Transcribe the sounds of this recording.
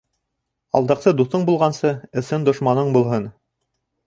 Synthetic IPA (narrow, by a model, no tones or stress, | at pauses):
ɑ̰lˠd̪ɑqsɤd̪uθɤɴbulˠʁɑnsɤɘ̆sɤnd̪ŏʃmɑnɤɴbulˠɦɤn